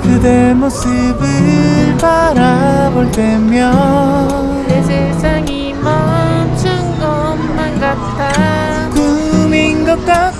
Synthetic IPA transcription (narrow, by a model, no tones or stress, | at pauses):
kɯd̪emosɯbɯɭpaɾaboɭt̪͈emjʌ | nesʰesʰaŋi | mʌmt͡ɕʰɯŋɡʌ | mːanɡa | t̪͈a | kuminɡʌk̚k͈a